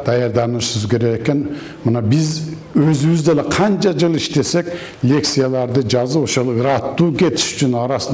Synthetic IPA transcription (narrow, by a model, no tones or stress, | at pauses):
d̪̥ɑjɑɾd̪ɑnəʃsɪzkʲʰe̞ɾeɡekʲen | mənɑbɪz | øzɪβɪzd̪eleqʰɑnt͡ʃʰɑd͡ʒɨlˠiʃt̪e̞se̞k | lʲe̞ktsijalˠɑɾd̪ɨd͡ʒɑzəpoʃolˠɯɾɑt̪ːuːkʲʰe̞t̪ʰɪ̥ʃy̥t͡ʃʰynɑɾɑsən